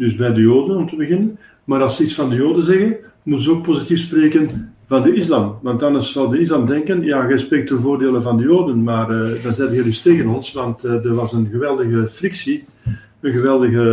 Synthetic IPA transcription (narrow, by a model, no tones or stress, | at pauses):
dɵsbɛjdəjoːdənɔmtəbəɣɪnən | maːɾɑlˠsəitsfɑndəjoːdənzɛɣən | mutənzəoːk̚pozitifspreːkənvɑndəɪs̬lamʋɑntdɑnɑssɑlˠdəɪs̬lamdɛŋkənjaːɣɛspreːk̚tənvoːrdeːlənvɑndəjoːdənmaːrdɑnzɛːdəɣɛdisteːɣənɔnsʋɑntːdərʋɑsənɣəʋɛlˠdəɣəfrɪksi | ənɣəʋɛlˠdəɣə